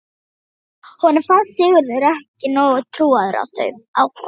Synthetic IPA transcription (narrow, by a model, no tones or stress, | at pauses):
hɔnːɪɾfanssɪɣʏɾðʏɾɛhcɪnɔːɣʏt̪ʰɾuːaðʏɾa̰wθœ̰ɥawk